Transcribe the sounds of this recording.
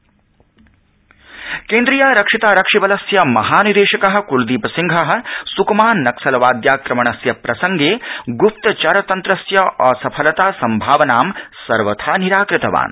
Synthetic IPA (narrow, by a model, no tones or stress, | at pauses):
keːnd̪ɾijaːɾɐkʂit̪aːɾɐkʂibɐlɐsjɐmɐɦaːniɾeːʃɐkɐɦɐ̆kuld̪iːpɐsiŋɡʱɐɦɐ̆sukɐmaːnnɐksɐlɐʋaːd̪jaːkɾɐmɐɳɐsjɐpɾɐsɐŋɡeːɡupt̪ɐt͡ʃɐɾɐt̪ɐnt̪ɾɐsjɐʔɔːsɐpʰɐlɐt̪aːsɐmbʱaːʋɐnaːmsɐɾʋɐt̪ʰaːniɾaːkɾɪt̪ɐʋa̰ːn